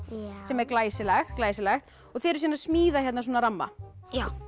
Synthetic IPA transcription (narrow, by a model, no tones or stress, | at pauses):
sɛmɛɾklaːjsɪlɛxklaːjsɪlɛxt̪ | ɔɣθɛːɾɪsɛːnaɾsmiːðaçjɛt̪nsoːnaɾamːa̰jaw